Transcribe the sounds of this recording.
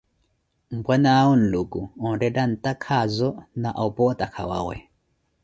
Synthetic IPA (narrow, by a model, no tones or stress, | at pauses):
m̩bwanaun̩lukuɔ̃ɾɛdan̩takʰazɔnaʔaupɔtakʰa̰wa̰ɣwɛ̰